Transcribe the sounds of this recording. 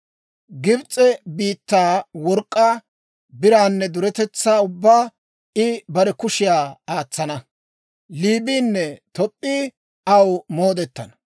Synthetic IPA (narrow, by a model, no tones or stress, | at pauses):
ɡɪbt͡sʼːɛbiːt̪ːaːwɔɾkʼːaː | bɪɾaːnːɛd̪ʊɾɛt̪ɛt͡sːaːʊbːaː | ɪbɐɾɛkʊʃɪjaːaːt͡sːɐnɐ | liːbiːnːɛt̪ɔpʼːiː | ɐwmoːd̪ɛt̪ːɐ̰nɐ